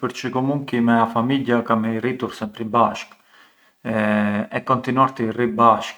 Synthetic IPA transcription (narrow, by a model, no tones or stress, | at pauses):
pəɾt͡ʃəkɔmuŋkimɛafamiʎjakaməirit̪uɾsɛmpɾibaʃk | ɛɛkɔnt̪inuaɾt̪iribaʃk